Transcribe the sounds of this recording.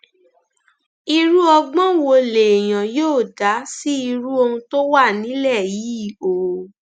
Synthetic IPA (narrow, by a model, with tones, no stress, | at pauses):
i˧ɾu˦ɔ˧ɡ͡bɔ̃˦wo˧le˨e˨j̃ã˨joː˦˨da˨˦si˦i˧ɾu˦o˧hũ˧to˦wa˦˨nĩ˨˦lɛ˦˨ji˨˦˨o˨